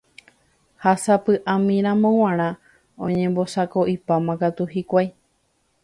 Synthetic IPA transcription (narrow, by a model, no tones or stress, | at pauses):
hasapɨʔãmĩɾ̃ãmõw̃ãɾ̃ã | õ̰ɲẽ̞mbo̞sako̞ʔipamãkat̪uɦikʷaj